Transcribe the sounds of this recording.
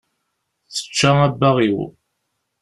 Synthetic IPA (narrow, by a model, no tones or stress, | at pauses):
θə̥t͡ʃːaæbːæʁiw